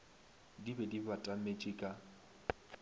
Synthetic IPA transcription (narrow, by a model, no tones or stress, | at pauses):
dibɛdibatʼamet͡ʃʼɪkʼa